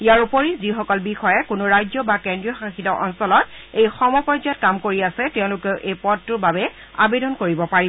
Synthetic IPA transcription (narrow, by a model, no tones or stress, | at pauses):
ijaɹupoɹizixɔkɔlbixɔjɛkʊnʊɹajzjɔbakɛndɹijɔxaxitɔʔɔnsɔlɔtejxɔmɔpɔzjɔt̚kamkoɹiasɛtɛʊ̃lʊkɛʊʔejpɔdtʊɹbabɛ | a̰bedɔnkoɹibɔpaɹi